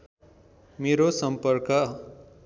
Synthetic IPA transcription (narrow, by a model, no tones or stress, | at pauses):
meɾosʌmpʌrkʌ